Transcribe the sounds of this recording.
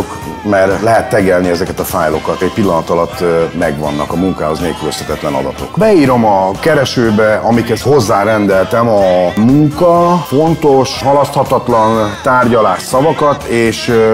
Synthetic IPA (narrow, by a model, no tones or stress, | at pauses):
ok | mɛrlɛɦɛt̪ːɛɡɛlniɛzɛkɛt̪ɒfaːjlo̞kɒt̪eːcpilːɒnɒt̪ɒlɒt̪ːmɛɡʋɒ̰nːɒkɒmuŋka̰ːɦo̞zneːlkyløsɛt̪ɛt̪lɛnɒ̰d̪ɒ̰t̪o̞̰kbɛiːɾo̞mɒkɛɾɛʃøːbɛɒmikhɛsho̞zːaːɾɛnd̪ɛlt̪ɛmɒmuŋkɒfo̞nt̪o̞ʃɦɒlɒst̪hɒt̪ɒt̪lɒnt̪aːrɟɒlaːʃsɒvɒkɒt̪eːʃ